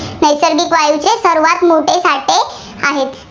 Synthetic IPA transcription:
nəjsəɾɡiːkʋajut͡ɕesəɾuʋat̪moʈesaʈe | aɦet̪

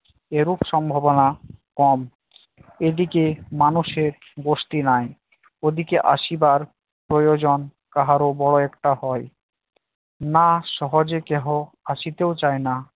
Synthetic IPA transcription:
eɾupʃɔmbʱobonakɔm | ed̪ikemanuʃeɾ | ɡoʃʈinaj | od̪ikeʔa̰ʃibaɾ | pɾojod͡ʑon | kaɦaɾobɔɽoɛkʈaɦɔe | naʃɔɦod͡ʑekɛɦo | aʃit̪eot͡ɕajna

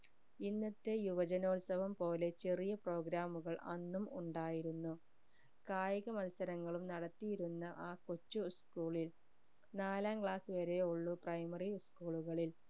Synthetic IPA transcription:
inːɐt̪ːe̞juʋɐd͡ʑɐnoːlsɐʋɐmpo̞ːle̞t͡ɕerijɐpro̞ːɡɾaːmuɣɐɭʔɐnːumuɳɖaːjiɾunːu | kaːjɐɣɐmɐlsɐɾɐŋːɐɭumnɐɽɐt̪ːijiɾunːɐʔaːkot͡ɕːuskuːɭil | naːlaːmkɭaːsɨʋɐɾe̞oɭːuprɐjmɐriskuːɭuɣɐɭil

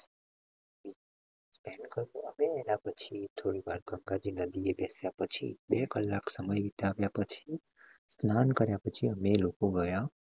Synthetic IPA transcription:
i | spɛnkəɾoəmeːnapət͡ʃʰit̪ʰoɽiʋaɾɡə̃ŋɡad͡ʒinəd̪iebɛsjapət͡ʃʰḭbekəlːaksəməjʋit̪aːʋjapət͡ʃʰi | snankəɾjapət͡ʃʰiəmelokoɡəja

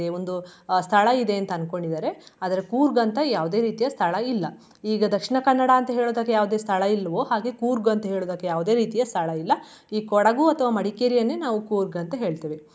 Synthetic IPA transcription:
eo̞nd̪ust̪ʰɐɭɐid̪e̞ɐnt̪ɐɐnko̞ɳɖid̪aːɾe̞aːd̪ɐɾekuːɾɡɐnt̪ɐjaːʋud̪e̞ːɾiːt̪ijɐst̪ʰɐɭɐilːɐ | iːɡɐd̪ɐkʂiɳɐkɐnːɐɽaɐnt̪ɐɦe̞ːɭoːd̪ɐkːejaːʋud̪eːst̪ʰɐɭɐilːɐʋoːɦaːɡe̞kuːɾɡɐnt̪ɐɦe̞ːɭoːd̪ɐkːejaːʋud̪e̞ːɾiːt̪ijɐst̪ʰɐɭɐilːɐ | iːkɔɽɐɡuɐt̪ʰɐʋaːmɐɽikeɾijɐnːe̞ːnaːʋukuːɾɡɐnt̪ɐɦe̞ːɭt̪iːʋi

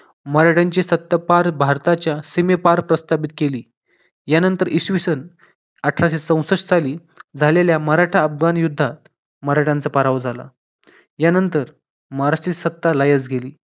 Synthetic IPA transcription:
məɾaʈʰaɲt͡ɕisət̪ːapaɾbʱaɾt̪at͡ɕjasimepaɾpɾəst̪apit̪keliː | janənt̪əɾʔiɕʋisən | əʈʰɾaɕ̬et͡sə̃w̃səʂsaliːd͡zʱaleljaməɾaʈʰaəfɡanjud̪ʱːat̪̚ | məɾaʈʰant͡sapaɾaʋd͡zʱala̰ | janənt̪əɾ | məɾat͡ɕisət̪ːalajəd͡zɡʱeliː

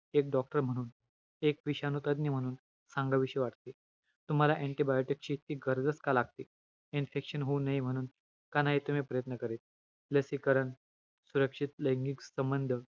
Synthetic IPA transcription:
ek̚ɖɔk̚ʈəɾm̤əɽ̃uːn | ekʋiɕanut̪əd̪niːm̤əɽ̃uːn | saŋɡaʋiɕiʋaʈt̪i | t̪um̤alaʔeɳʈibajoʈikt͡ɕiːt̪iːɡʱəɾd̪əskalaɡ̚t̪i | infekʂənɦunaɦim̤əɽ̃uːn | kanaɦit̪um̤ipɾəjət̪nəkəɾeːt̪̚ | ləsikəɾəɳ | suɾəkʂit̪ləjŋɡiksəmbənd̪ʱə

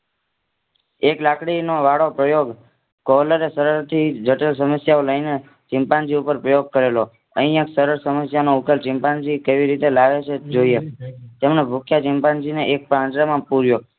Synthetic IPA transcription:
eklakɽinoʋaɽopɾəjoɡ | kɔləɾesəɾəɾt̪ʰid͡ʒəʈəlsəməsjaoləine | t͡ʃɪmpand͡ʒiupəɾpɾəjoɡ̚kəɾelo | ə̃ɦĩjə̃ksəɾəɾsəməsjanoukəlt͡ʃɪmpãnd͡ʒikeʋiɾit̪elaʋet͡ʃʰed͡ʒoijet̪emnebʱukʰjat͡ʃɪmpãnd͡ʒineʔek̚pɾãt͡ʃɾamãpuɾjo

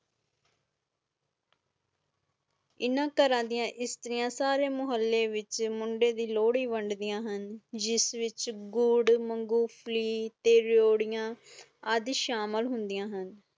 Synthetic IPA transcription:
ɪnãːkəɾãːd̪ijãːʔɪst̪əɾɪjãːsaːɾeːmʊɦəlːeːʋɪt͡ʃmʊɳɖeːd̪iːloːɽiːʋəɳɖd̪ijãːɦənd͡ʒɪsʋɪt͡ʃɡʊɽməŋɡuːpʰliːt̪eːɾoːɽɪjãː | əd̪ʃaːməlɦʊnd̪ɪjãːɦən

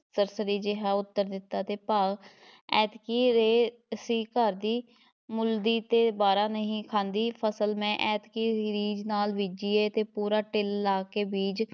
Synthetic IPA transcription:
səɾsəɾiːd͡ʒeɦaːʊt̪ːəɾd̪ɪt̪ːaːt̪eːpaːɡ | ɛːt̪kiːɾeː | siːkəɾd̪iː | mʊld̪iːt̪eːbaːɾaːnəɦĩːkʰãːnd̪iːpʰəsəlmɛ̃ːʔɛːt̪kiːɾɾiːd͡ʒnaːlʋid͡ʒiːeːt̪eːpuːɾaːʈɪlːaːkeːbiːd͡ʒ

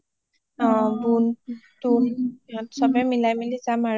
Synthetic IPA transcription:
buntunatsɔbɛmilajmilizamaɹ

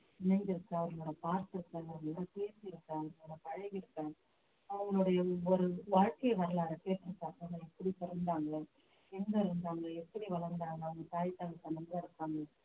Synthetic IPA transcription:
ɪnɐnd͡ʒɪɾɯkːãɐʋɐɾɡɐɭoːɽɐpaːɾt̪ɪɾɯkːaːɡɐɐɡɐɭːɽɐpeːsiɪɾɯkːaːɐɽɐkɐɻɐɪɣɪɾɯkːɐ̃ː | ɐʋɐŋɡɐɭoːɽɐjɐɔɾɯʋaːɻkɐjɐʋɐɾɐlaːɣɐkeːʈːɪɾɯkːaːkɐnɐɛpːɐɽipɛɾɐnd̪aːŋɡɐ | ɛnɡ̪ɐɾɯnd̪aːŋɡɐɭɛpːɐɽiʋɐɭɐɾnd̪aːŋɡɐʋɐŋɡɐt̪aːjt̪ːaːlɐt̪ːɐnɐmbɐlaɪɾɯkːaːŋɡɐ

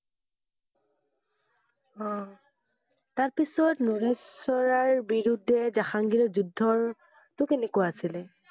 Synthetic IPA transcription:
ɔ̃ | taɹpisɔtnuɹesɔɹaɹbiɹudʱːɛzaxaŋɡiɹɔzudʱːɔɹ | tʊkenekʊwaːsilɛ

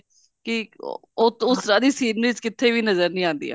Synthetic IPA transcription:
kɪ̰ʊt̪ʊsɾãːd̪iːsiːdniːzkɪt̪ʰːeːʋiːnəzəɾnĩːãːnd̪ḭːa̰ː

